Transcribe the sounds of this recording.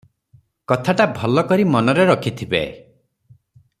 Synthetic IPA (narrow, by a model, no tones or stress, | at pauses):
kɔt̪ʰaʈabʱɔlɔkɔɾimɔnɔɾeɾɔkʰit̪ʰibḛ